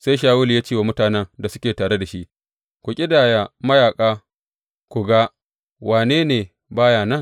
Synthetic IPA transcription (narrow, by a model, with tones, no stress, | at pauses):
sa˦jʃaː˦wʊ˦ljaː˦t͡ʃiː˦wa˨mʊ˦taː˨nɛ˦ŋda˨sʊ˦kʲeː˨taː˨ɽe˦da˨ʃi˦ʔ | kʷu˨kʲʼɪ˦daː˨ja˨mɐ˦jaː˨kʼaː˦ | kʷu˨ɡa˦ | wʔaː˨neː˦neː˨ | baː˦jaː˨nɐ˦ŋ